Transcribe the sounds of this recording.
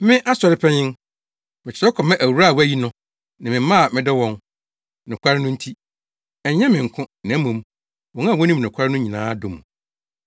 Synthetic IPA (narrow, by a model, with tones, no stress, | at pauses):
mɪ̃˦ʔa˦sɔ˨ɾɪ˦pʰɛ˦ɲɪ̃˦n | mɪ˨t͡ɕʰɪ̥˨ɾɛ˦kʰɔ˨mɛ̃˦ʔæ˨wu˨ɾa˦˨wæ˦˨ji˦nʊ̃˦ | nã˨mɪ̃˨˦ã˦˨mɪ̃˨dɪ˦wɔ̃˦ŋ | nʊ̃˨kʷʰa˦ɾɪ˦nʊ̃˦n̩˦tʰi˦ | ɛ˨˦ɲɛ̃˦mɪ̃˨ŋ˨kʰʊ̃˦nã˨˦mõ˨˦m | wɔ̃˨ŋã˦˨wɔ˦nĩ˦mnʊ̃˨kʷʰa˦ɾɪ˦nʊ̃˦ɲĩ˨nãː˦do˨m˨